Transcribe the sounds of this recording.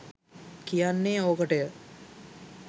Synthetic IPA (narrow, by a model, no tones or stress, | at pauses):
kijanːeːoːkəʈəjə